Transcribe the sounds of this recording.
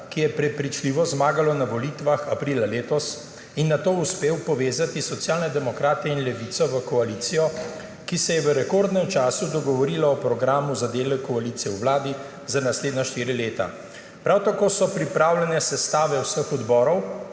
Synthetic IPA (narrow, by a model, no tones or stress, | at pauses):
kijɛpɾɛpɾit͡ʃliʋɔzmaːɡalɔnaʋɔlit̪ʋaxapɾilaleːt̪ɔs | inːat̪oːuspeːwpɔʋeːzat̪isɔt̪sjaːlnɛd̪ɛmɔkɾaːt̪ɛinlɛʋit̪sɔʋəkɔaliːt̪sijɔ | kisɛjɛʋəɾɛkoɾd̪nɛmt͡ʃaːsud̪ɔɡɔʋɔɾilaɔpɾɔɡɾaːmuzad̪eːlɛkːɔalit̪sijɛwʋlaːd̪i | zanasleːd̪naʃt̪iːɾileːt̪a̰ | pɾawt̪akoːsɔpɾipɾaːwlʲɛnɛsɛst̪aːʋɛwsəxɔd̪bɔːɾɔw